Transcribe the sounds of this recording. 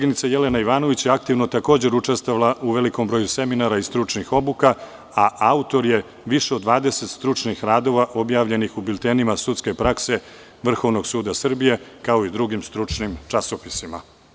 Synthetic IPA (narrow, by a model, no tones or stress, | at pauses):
ɡinit̪sajelenaiʋaːno̞ʋit͡ɕjeak̚t̪iʋnot̪ako̞ːd͡ʑe̞ɾut͡ʂe̞st̪oʋalˠauʋe̞liko̞mbɾo̞ːjuse̞minaɾaist̪ɾut͡ʂnixobuka | aʔaut̪o̞ɾje̞ | ʋiʃeod̪ːʋaːd̪ese̞t̪st̪ɾut͡ʂnixɾaːd̪o̞ʋaʔo̞bjaːʋʎe̞nixubilʲt̪eːnimasut̪ske̞pɾakse̞ | ʋr̩xo̞ʋno̞ɡsuːd̪asr̩bije̞kao̞id̪ɾuɡimst̪ɾut͡ʂnimt͡ʂaso̞pisima̰